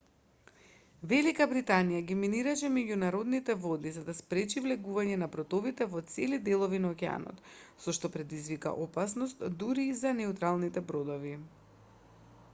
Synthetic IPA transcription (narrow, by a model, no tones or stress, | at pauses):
vɛlikabɾit̪anijaɡiminiɾaʃɛmɛɟunaɾod̪nit̪ɛvod̪izad̪aspɾɛt͡ʃivlɛɡuvaɲɛnabɾɔt̪ovit̪ɛvɔt̪sɛlid̪ɛlˠɔvinaokʲɛa̰nɔ̰t̪sɔʃt̪ɔpɾɛd̪izvika̰ʔopasnɔst̪d̪uɾiːzanɛut̪ɾalˠnit̪ɛbɾod̪ɔvi